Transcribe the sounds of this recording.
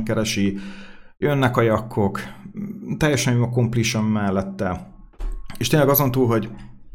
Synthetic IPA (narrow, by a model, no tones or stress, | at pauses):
ŋkɛɾɛʃi | jønːɛkɒjɒkʰːo̞k | t̪ɛjːɛʃɛnɒko̞mpliʃɛmːɛlːɛt̪ːɛ | eːʃt̪eːnlɛɡɒzo̞nt̪uːlɦo̞ɟ